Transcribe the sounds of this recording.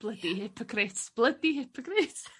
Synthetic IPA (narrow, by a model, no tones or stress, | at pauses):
b̥lˠəhdihɪpʰɔkʰrɪtb̥lˠədihɪpʰɔkrɪt